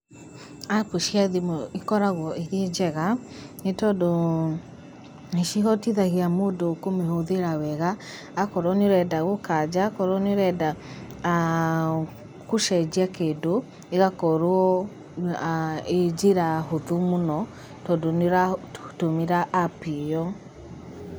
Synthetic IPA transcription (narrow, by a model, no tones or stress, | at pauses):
akoʃiaðimɔikɔɾaɣwɔʔeɾied͡ʒɛɣanetɔdo | eʃiɦɔtiðaɣiamoːdokomehoðeɾawɛɣaː | kɔɾɔneoɾɛdaɣokad͡ʒakɔɾɔneɾɛda | koʃɛd͡ʒiakedo | eɣakɔɾwɔ | ed͡ʒeɾaɦoðumonɔ | tɔdoneɾatomeɾaʔːpijɔ